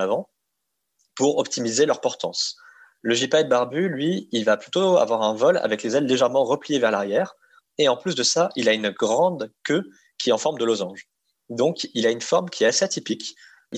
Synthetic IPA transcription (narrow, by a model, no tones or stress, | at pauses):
avɑ̃ | puʁɔpt̪ʰimizelœʁpɔʁt̪ɑ̰̃s | ləʒipad̪̚baʁbylɥiːlvaplyt̪oa̰vwaʁɛ̃vɔla̰vɛklezɛlːeʒɛʁmɑ̃ʁəplijevɛʁlaʁjɛːʁ | eɑ̃plysd̪əsaʔilaynɡʁɑ̃d̪kø | kʲiɛɑ̃fɔʁmd̪əlozɑ̃ʒ | d̪ɔ̃kilaynfɔʁmkʲiɛt̪aseat̪ipik